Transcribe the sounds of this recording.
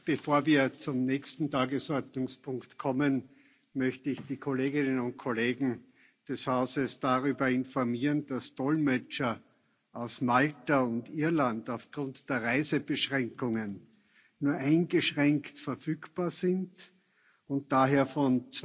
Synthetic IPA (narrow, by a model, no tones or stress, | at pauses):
b̥əfoːɐviːɐt͡sʊmnɛçstn̩tʰaːɡəsɔɐtnʊŋspʰʊ̃ŋktkʰɔmən | mœçtəɪçd̥iːkʰoleːɡɪnənʊnt̚kʰoleːɡŋ̩ | d̥ɛshaʊzəsd̥aʁyːbɐɪnfɔɐmiːʁənd̥asd̥ɔlmɛt͡ʃɐ | ʔaʊsmaltaʊntiɐlandaʊfɡ̥ʁʊntd̥eːɐʁaɪzəb̥əʃʁɛ̃ŋkʊŋənː | uːɐʔæɪnɡəʃʁɛŋktfɛɐfyːkb̥aːɐzɪnd | ʊ̃nt̚d̥aːɦeːɐfɔnt͡s